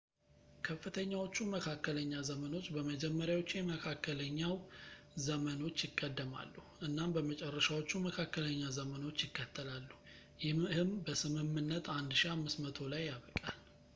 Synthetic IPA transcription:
kʰəfːɨt̪ʰəɲːawo̞t͡ʃːuməkʰakːələɲːazəməno̞t͡ʃːbəməd͡ʒɛmːəɾjawo̞t͡ʃːjɛməkʰakːələɲːaw | zəməno̞t͡ʃːjɪkʼːəd̪ːəma̰lːuhʔɨnːambəmət͡ʃʼɛrːəʃawo̞t͡ʃːuməkʰakːələɲːazəməno̞t͡ʃːjɪkːət̪ʰːəlalːu | jɪhɨmbəsɨmɨmːɨnːət̪ʰand̪ʃiamːɨsmət̪ʰo̞lajːaβəkʼal

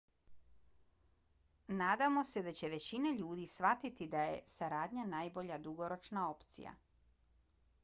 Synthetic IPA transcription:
naːd̪amo̞se̞d̪at͡ɕe̞ʋe̞t͡ɕineʎuːd̪isʋat̪it̪id̪aje̞̰saɾaːd̪ʲɲanajbo̞ʎad̪uɡo̞ɾo̞t͡ʃnao̞pt̪sḭja̰

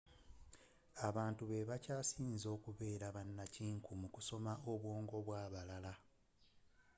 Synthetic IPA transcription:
aβaːntuβe̞βacaːsiːnzo̞ːkuβe̞ːɾaβanːaciːŋkʰumukuso̞maʔo̞βwo̞ːŋɡo̞βwaːβalala

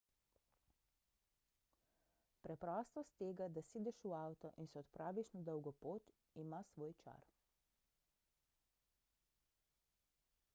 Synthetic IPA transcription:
pɾɛpɾɔst̪ɔst̪ːeːɡad̪aseːd̪ɛʃuawt̪ɔʔinsɛɔt̪pɾʔaːʋiʃnad̪ɔwɡɔpoːt̪ | imasʋoːjt͡ʃa̰ɾ

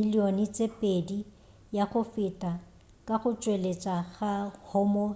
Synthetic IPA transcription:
ilionɪt͡sʼepʼedi | jaɣʊfɪtʼa | kʼaχʊt͡ʃʼwelet͡ʃʼaɣahʊmɔ

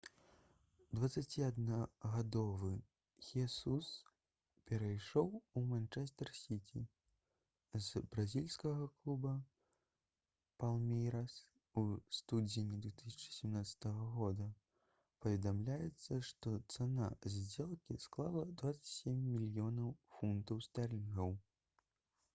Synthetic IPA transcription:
d̪vɐt̪sat͡sʲiad̪nɐɣad̪ɔvɨ | xʲɛsus | pʲɛɾajʂɔwumant͡ʂɛst̪ɛrsʲit͡sʲi | zbɾazʲilʲskɐɣɐklˠubɐ | palˠmʲɛjɾas | ust̪ud͡zʲinʲid̪vʲɛt̪ɨsʲɐ̥t͡ʂɨ̥sʲɛmnat̪sɐ̥t̪ɐɣɐɣɔd̪ɐ | pɐvʲɛd̪amlʲajɛt̪sːɐʂt̪ɔt̪sana̰zʲd͡zʲɛlˠkʲisklˠalˠɐd̪vat̪sɐt͡sʲsʲemʲːilʲjɔnɐwfunt̪ɐwst̪arlʲiɣɐw

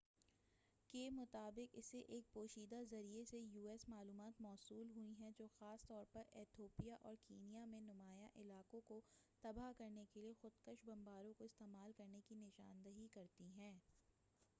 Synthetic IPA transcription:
keːmʊt̪aːbɪqɪseʔeːk̚poːʃiːd̪azɐɾiesejuːɛːsmaːluːmaːt̪mɔːsuːlɦuiɦɛ̃d͡ʒoːxaːst̪ɔːɾpɐɾɛːt̪ʰoːpijaʔɔːɾkeːnijamẽnʊmaːjaʔɪlaːkõkot̪ɐbaɦkɐɾnekeliexʊd̪kəʃbɐ̃mbaːɾõkoɪst̪eːmaːlkɐɾnekinɪʃa̰ːnd̪əɦikɐɾt̪iɦɛ̃ː

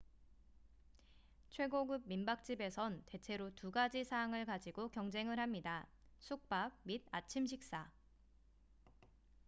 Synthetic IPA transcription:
t͡ɕʰwe̞ɡoɡɯb̚mimbak̚t͡ɕ͈ibe̞sʰʌnte̞t͡ɕʰe̞ɾotuɡad͡ʑisʰaːŋɯɭkad͡ʑiɡokjʌŋd͡ʑe̞ŋɯɭɦhamɲidasʰuk̚p͈ak̚mid̚at͡ɕʰimɕʰik̚s͈a

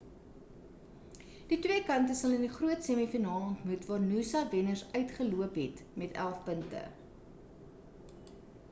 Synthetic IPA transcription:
d̥itwiəkɐntəsɐləndiχruətsɛmifinɑːlɔntmutvɑːrnusɐvɛnərsœɥtχəluəpɦɛtmɛtæ̰lˠfpəntə̰

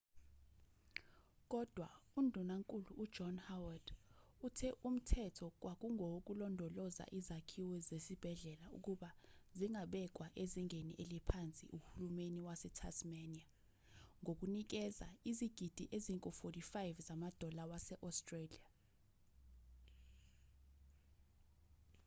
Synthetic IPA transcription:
k̬ʼɔd̥ʱwaundʱunaŋkʼuluʔːd͡ʒ̥ɔnhawad̥utʰɛʔum̩tʰɛtʰɔk̬ʼwʔak̬ʼuŋʱok̬ʼulɔndʱɔlɔza̰ʔizakʰiwɛzesib̥ʱɛɮɛlaṵk̬ʼuɓaziŋʱaɓɛk̬ʼwaʔeziŋenḭʔelipʰant͡sʼḭʔuhulumeniwasɛtʰa̰smania | ŋɡʱok̬ʼunik̬ɛza̰iziɡ̥ʱid̥ʱiʔeziŋkʼɔfotifajvzamad̥ʱɔlawasɛʔɔstʼrelia

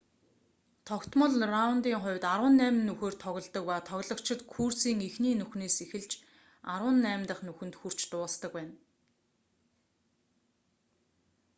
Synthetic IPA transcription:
t̪ʰɔkt̪mə̆ɮraʊnt̪iːŋχʊ̟wʲt̪aɾwə̆nːæːm̆nːuxeːrt̪ʰɔɣʲɞ̆ɮt̪ə̆k̚paːt̪ʰɔɣɮɞ̆kt͡ɕʰɪ̆t̪kʰursiːŋixniːnuxneːsixɘ̆ɮt͡ɕ | aɾwə̆nːæːmʲt̪ə̆χnuxɵ̆nt̪xur̥t͡ɕt̪ʊːst̪ə̆kpæːn

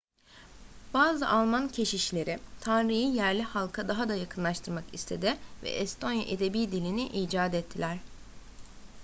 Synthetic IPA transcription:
b̥aːzɯʔalˠmancʰe̞ʃiʃlʲe̞ɾit̪ʰanɾɯjijæɾlʲihalˠkʰad̪aɦad̪ajakʰɯnlˠaʃt̪ʰɯɾmakist̪ʰe̞d̪ɪvɛ̰ʔɛst̪ʰo̞nja̰ʔed̪e̞biːd̪ilʲiniʔiːd͡ʒaːd̪ɛt̪ʰːilʲæɾ̥

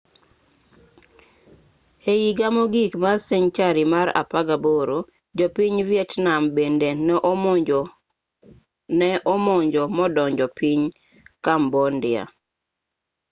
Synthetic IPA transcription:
eiɡamoɡikmasɛɲt͡ʃaɾimaɾa̰paɡaboɾo | d͡ʒɔpiɲvjɛtnambendenɛʔ | nɛʔɔmɔɲd͡ʒɔmɔdɔɲd͡ʒɔpiɲ | kambɔndɪa̰

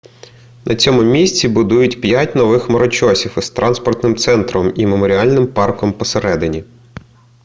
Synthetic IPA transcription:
nʔɐt͡sʲɔmʊmʲisʲt͡sʲibʊd̪ujʊtʲpʲjatʲnɔʋɪxmɔɾɔt͡ʃɔsʲifɪst̪ɾʔɑnspɔrt̪nɪmt̪sɛnt̪ɾɔmimemɔɾʲiɑlʲnɪmpɑrkɔmpɔseɾɛd̪ɪnʲi

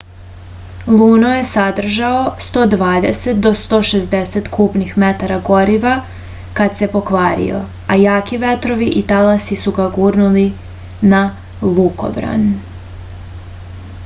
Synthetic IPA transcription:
lˠuːnoje̞sad̪r̩ʒaost̪o̞ːd̪ʋaːd̪ḛset̪̚d̪o̞st̪o̞ːʃezd̪eset̪kʰuːpnixmet̪aɾaɡo̞ɾiʋa | kad̪se̞po̞kʋaːɾḭo̞̰ | ajaːkiʋe̞t̪ɾo̞ʋiʔit̪alasisuɡaɡuːɾnuli | na | lˠuko̞̰bɾa̰n

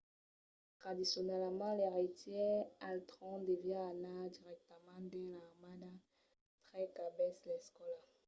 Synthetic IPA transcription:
t̪χad̪isjɔnɛlmɑ̃lɛʁitjɛalt̪ʁɔ̃d̪evjɛanad̪iʁɛk̚t̪əmɑ̃d̪ɛ̃lamana | t̪χɛkabɛslɛskɔla

